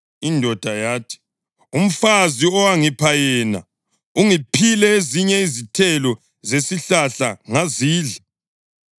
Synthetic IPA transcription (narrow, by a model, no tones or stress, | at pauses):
indʱɔd̥ʱajaːtʰi̥ | um̩faziɔwaŋipʰajɛːna̰ | uŋipʰilɛeziɲɛizitʰɛlɔ | zesiɬaɬaŋaziːɮḁ